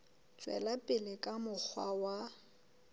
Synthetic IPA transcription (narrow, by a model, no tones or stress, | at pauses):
t͡ʃʼwɛ̰lapʼɪlɪkʼamʊk͡xʰwawa